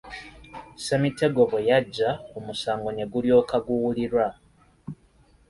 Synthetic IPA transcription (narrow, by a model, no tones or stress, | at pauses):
semite̞ɡo̞βejaɟːaomusaːŋɡo̞ne̞ɡuljo̞ːkaɡuwuliɾwa